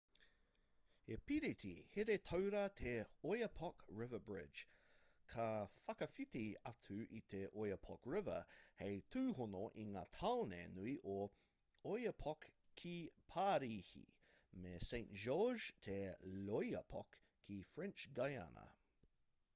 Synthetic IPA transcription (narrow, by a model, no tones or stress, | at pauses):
epiɾit̪ʰihɪɾet̪ʰowɾət̪ʰeojəpʰɔkɹɪvəbɹɪ̥d͡ʒkʰɐfɐkəfit̪iatʰʉʔit̪ʰeʔojəpʰɔkɹɪvə̰hejt̪ʰʉːhʊnoʔiŋa̰ːt̪ʰawnḛnuiʔo | ojəpʰɔk | kʰːipʰaːɾiːhḭ | mesẽntʒ̥ɔʒtʰelojə̰pʰɔ̰kʰː | ifɹɛnt͡ʃɡaja̰nə̰